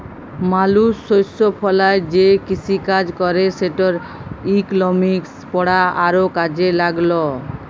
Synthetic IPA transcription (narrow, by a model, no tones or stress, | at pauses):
malusːojsopʰɔlaed͡ʑekit͡ɕʰikad͡ʑkɔɾeʃeʈoɾ | iklɔmikspɔɽaaɾokad͡ʑelaɡlo